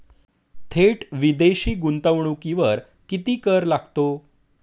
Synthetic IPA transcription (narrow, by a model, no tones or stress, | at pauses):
t̪ʰeʈʋid̪eɕiːɡunt̪əʋɳukiʋəɾ | kit̪iːkəɾlaɡt̪o